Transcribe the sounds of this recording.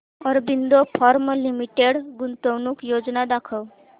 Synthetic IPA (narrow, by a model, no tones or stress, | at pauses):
ɔɾbind̪opʰɔɾməlimiʈeɖɡunt̪əwnukjoːd͡ʒnad̪akʰəw